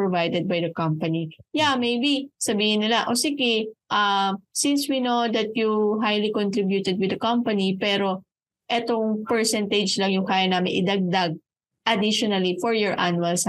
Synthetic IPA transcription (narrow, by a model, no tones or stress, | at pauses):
pɹovajd̪ɛd̪̚bɐjd̪ɐkɐ̃mpɐnijamejbisɐbiːhɪnːɪlaʔosiɡɪʔɐsɪnswinowd̪ɐt̪̚juɦajlikɔnt̪ɾibjut̪ɛd̪̚wɪd̪ɐkɐmpɐnipɛːɾo̞ | ʔɛt̪oŋpɛɹsɛnt̪ɐd͡ʒlɐŋjʊŋkaːjɐnaːmɪnʔɪ̰d̪ɐɡ̚d̪aɡ̚ | ʔɐd̪iʃɔnɐlifɔɹjɔɹʔanuɐls